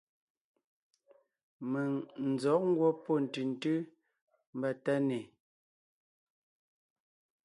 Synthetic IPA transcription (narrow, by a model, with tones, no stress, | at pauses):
mə˨ŋn̩˨zɔ˨˦ʔŋ̩˦ɡwɔ˦pɔ˦˨n̩˨tʉ˨n̩˨tʉ˦ | m̩˦ba˦˨ta˦ne˨